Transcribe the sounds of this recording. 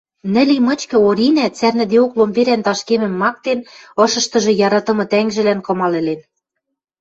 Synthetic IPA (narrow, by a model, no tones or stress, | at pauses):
nɘ̆limɤ̆t͡ɕkɤ̆oɾinæt͡særnɘ̆d̪eoklombeɾænt̪ɑʃkemɘ̆mːɑk̚t̪enɤ̆ʃɤ̆ʃt̪ɤ̆ʒɤ̆jɑɾɑt̪ɤ̆mɤ̆t̪æŋʒɘ̆lænkɤ̆mɑlĕlen